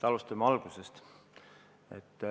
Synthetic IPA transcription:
ɑlust̪ɑmeɑlɡ̥use̞st̪ | ḛt̪ː

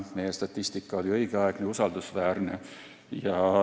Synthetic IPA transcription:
mejæst̪ɑt̪ːist̪ikːɑolijoikæɑikneusɑlt̪usʋæːrnḛ | jɑ

